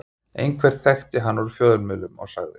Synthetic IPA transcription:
ḛjnkʰvɛɾ̥θɛxt̪ɪɦanːvɔɾʏfjɔːðʏɾmʏːlʏmɔ̰ɣsaɣðɪ

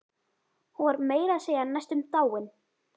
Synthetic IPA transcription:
huvaɾmeːjɾaðseːjanajst̪ʏmt̪aːwɪn

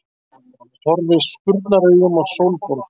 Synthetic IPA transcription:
θɔɾðɪspʏɾt̪naɾœːɣʏmawsowlpɔɾt

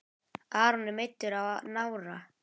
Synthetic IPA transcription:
aːɾnɪmejt̪ːʏɾavnawɾa

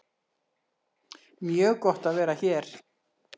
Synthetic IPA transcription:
mjœːɣkɔht̪aðvɛːɾaçɛɾ̥

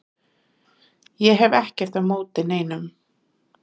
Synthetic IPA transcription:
jɛɦɛvɛhcɛɾ̥t̪aðmoːwt̪ɪneːjnʏm

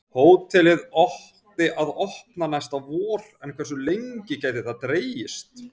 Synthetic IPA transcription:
hoːwt̪ʰɛlɪðɔh | t̪ɪʔaðɔhpnanajst̪avɔːɾ̥ɛnkʰvɛrsʏlejɲcɪcaːjt̪ɪθaðt̪ɾeːjɪst̪

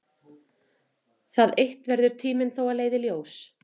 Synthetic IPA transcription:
θaðejht̪vɛɾðʏɾ̥t̪ʰiːmɪnθowaðleːjðɪljoːws

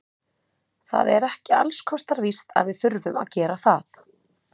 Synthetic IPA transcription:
θa̰ðɛɾɛhcɪalskʰɔst̪aɾvist̪a̰ðvɪðθʏɾvʏma̰ðcɛːɾaθaθ

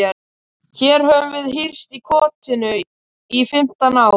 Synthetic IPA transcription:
ɛ | çɛːɾhœvʏvɪðɦir̥st̪ikʰɔːt̪ʰɪnʏ | ifɪm̥t̪anaːw

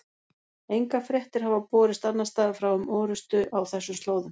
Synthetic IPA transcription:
ejŋkafɾjɛht̪ɪɾ̥ɦavapɔːɾɪst̪anːast̪aːðfɾawʏmʔɔːɾʏst̪ʏʔawθɛsːʏmst̪loːwðʏm

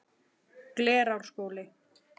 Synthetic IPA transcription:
klɛːɾawr̥skoːwlɪ

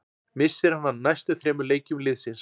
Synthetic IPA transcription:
mɪsːɪɾ̥hanhanːajst̪ʏθɾɛːmʏɾleːjcʏmlɪðsɪns

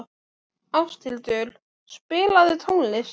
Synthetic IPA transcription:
awst̪ʰɪlt̪œːl | spɪːlaðɪt̪ʰownlɪs

